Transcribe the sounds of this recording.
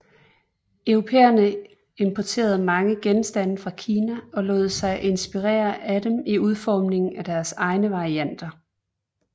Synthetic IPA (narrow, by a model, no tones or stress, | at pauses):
œʊʁo̝pʰḛːɐnə | e̝mpʰɒt͡sʰe̝̰ːɐð̞̩ˠmɑ̈ŋəɡ̥ensd̥æn̰fʁɑ̈kʰiːnæɒ̽lɔ̰̽ːð̩ˠsɑ̈ɪʔe̝nsb̥iʁɛ̰ːɐʔæd̥emiuð̞ˠfɒːmne̝ŋn̩æd̥æɐsɑ̈ɪnəʋɑ̈ʁiæn̰d̥ɐ